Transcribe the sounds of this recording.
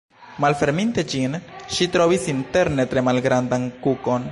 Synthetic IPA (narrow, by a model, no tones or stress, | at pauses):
malfe̞ɾminte̞d͡ʒinʃitɾo̞visinte̞ɾne̞tɾe̞malɡɾandankuko̞n